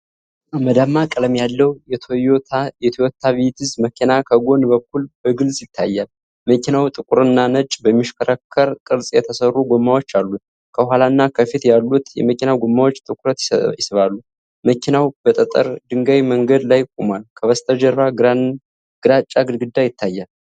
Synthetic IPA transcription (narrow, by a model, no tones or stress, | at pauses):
ʔaməd̪amːakʼɨləmjalːəwjɛt̪ʰojot̪jɛt̪ʰjot̪ʰːaβit̪ʰɨzməkʰinakʰəɡo̞nbəkːulbəɡɨlsʼjɪt̪ʰːajːal | məkinawt̪ʼɨkʼuɾɨnːanət͡ʃʼbəmːiʃkʰəɾəkʰːəɾkʼɨɾsʼjɛt̪ʰəsərːuɡʷomːawot͡ʃːalːu | kʰəɦalaɨnːakʰəfit̪jalːut̪jɛ̰məkinawɡomːawo̞t͡ʃːt̪ʼɨkʼuɾət̪jɪsɨβalːu | məkʰinawb̥ət̪ʼət̪ʼə̰ɾd̪ɨŋɡajməŋɡəd̪lajkʼumalkʰəβəst̪ʰʼəd͡ʒəɾba | ɡ̥ɨɾat͡ʃʼːaɡɨd̪ɡɨd̪ːajɪt̪ːajːal